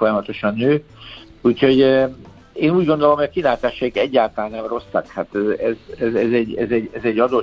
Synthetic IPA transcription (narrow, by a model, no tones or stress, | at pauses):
fo̞jɒmɒt̪o̞ʃɒnːøː | uːcho̞ɟ | eːnuːɟɡond̪o̞lomhojɒkilaːt̪aːʃɔikɛɟːaːlt̪ɒlaːnːɛmro̞sːɒkhat̪ːɛzɛzɛzɛɟːɛ̰zɛɟɛzɛɟːɒd̪o̞